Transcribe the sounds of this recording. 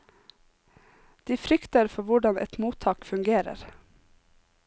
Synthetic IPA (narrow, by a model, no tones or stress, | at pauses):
d̪̥iːfɾʏkt̪əɾfɔʋʊɖɑnʔɛ̰t̪muːt̪ʰɑːkfʉŋɡeːɾə̰ɾ